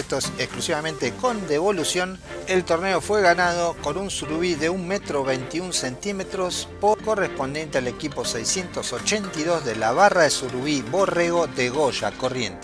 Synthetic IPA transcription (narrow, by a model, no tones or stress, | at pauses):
t̪osekklusiβamẽ̞nt̪eko̞nd̪eβo̞lusjo̞n | elt̪o̞ɾne̞o̞fwe̞ɣanað̞oko̞nunsuɾuβiðeuŋmet̪ɾoβejnt̪iunse̞nt̪imet̪ɾo̞spoko̞respond̪je̞nt̪eale̞kipo̞sejsje̞nt̪osot͡ʃe̞nt̪iðo̞zðelaβaraðesuɾuβiβoreɣo̞d̪eɣoʃa̰ko̞rjḛnt̪e